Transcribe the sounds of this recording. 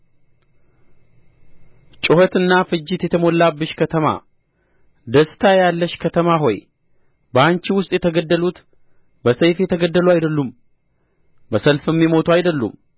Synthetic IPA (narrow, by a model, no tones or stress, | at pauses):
t͡ʃʼɪhot̪ɨnːafɨd͡ʒːɪt̪jɛt̪ʰəmo̞lːabɨʃkʰət̪ʰəma̰ | d̪əst̪ʰajalːəʃkʰət̪ʰəmaɦo̞j | bəant͡ʃiwʊst̪ʼjɛt̪ʰəɡəd̪ːəlut̪ | bəsəjfjɛt̪ʰəɡəd̪ːəluajd̪əlːum | bəsəlfɨmːimo̞t̪ʰuajd̪əlːṵm